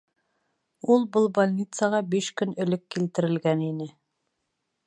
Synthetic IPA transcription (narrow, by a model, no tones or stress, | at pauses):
ulˠbɤlˠbolʲnʲit̪sɑʁɑbiʃkɵnɵ̆lɵkːilt̪ɘ̆ɾɘ̆lɡæninɘ